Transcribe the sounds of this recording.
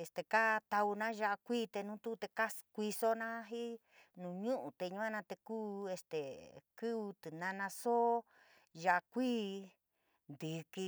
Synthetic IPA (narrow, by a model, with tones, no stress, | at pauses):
e˧˨st̪e˨ka˦t̪a˧u˧nã˦ʒa˧ʔa˧kʷiː˦˧t̪e˧nũ˦t̪u˦˧t̪e˧ka˦kʷi˧so˦nã˦ɦi˦ | nũ˨ɲũ˦ʔũ˨t̪e˧ɲũ˧˦a˦nã˧t̪e˧kuː˦e˧st̪e˨kɨ˦u˧t̪ɨ˨nã˧nã˧so˦ | ʒa˧ʔa˧kʷiː˦ | nd̪ɨ˨ki˧